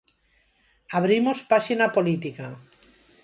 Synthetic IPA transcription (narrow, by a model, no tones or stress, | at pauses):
aβɾimospaʃinapolit̪ika